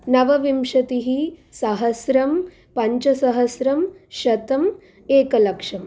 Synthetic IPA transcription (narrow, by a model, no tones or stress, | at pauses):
nɐʋɐʋimʂɐt̪iɦisɐɦɐsɾɐm | pɐɲt͡ʃɐsɐɦɐsɾɐm | ʃɐt̪ɐm | eːkɐlɐkʂɐm